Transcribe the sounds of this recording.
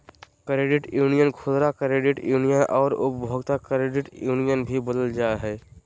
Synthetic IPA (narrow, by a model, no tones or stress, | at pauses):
kɾeɖɪʈjuːnijənkʰozɾakɾeɖɪʈjuːnijənʔɔ̰ːɾʊ̰pbʱoɡt̪akɾeɖɪʈjuːnijənbʱibod̪əld͡ʒaeɦɛː